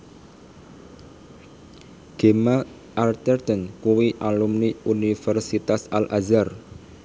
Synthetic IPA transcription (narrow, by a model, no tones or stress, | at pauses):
ɡ̥ema | ʔalt̪ɛrt̪ənkuwiʔalumniunifɛrsit̪asalʔazar